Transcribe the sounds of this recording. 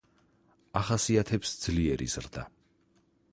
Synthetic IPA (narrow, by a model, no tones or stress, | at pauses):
aχasiat̪ʰɛpsd̪z̥liɛɾḭz̥ɾd̪a̰